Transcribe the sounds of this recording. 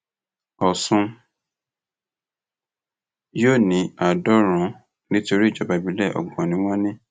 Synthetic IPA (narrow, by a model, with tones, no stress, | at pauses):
ɔ˨sũ˧ | joː˦˨nĩ˨˦a˨dɔ˦ɾ̃ũ˨˦ | nĩ˦to˧ɾi˦˨d͡ʒɔ˨˦ba˨bi˨˦lɛ˦˨ʔɔ̰˨ɡ͡bɔ̃˨nĩ˨˦w̃ɔ̃˦nĩ˦